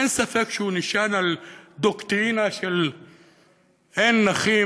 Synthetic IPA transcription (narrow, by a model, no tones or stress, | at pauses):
ensafekʃunɪʃaːnald̪okt̪ɾiːnaʃel | ʔenːaxiː